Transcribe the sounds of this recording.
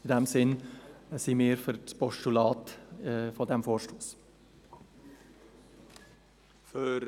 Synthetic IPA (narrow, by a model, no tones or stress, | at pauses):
ɪdɛmsɪnsimiːɾfʏɾspɔʃtulɑːtfɔdɛmfoːɾʃtoːs | fø